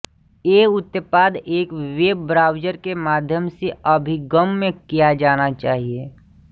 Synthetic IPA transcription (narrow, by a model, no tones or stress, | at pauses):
eːʊt̪ːəpaːd̪eːkweːbːɾaːʊd͡ʒəɾkemaːd̪ʱjəmseəbʱiɡəmːẽkijad͡ʒaːnat͡ʃaːɦie